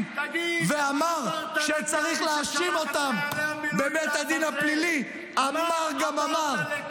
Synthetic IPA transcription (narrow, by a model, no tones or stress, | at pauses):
veamaʁʃet͡saʁiχleaʃimo̞t̪ambebet̪had̪inaplili | amaʁɡamamaʁ